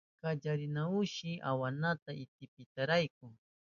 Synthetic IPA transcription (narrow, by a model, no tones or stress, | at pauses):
kad͡ʒaɾɪnaʊʃɪʔa̰wanat̪aɪt̪ɪpɪt̪aɾajk̚ʊ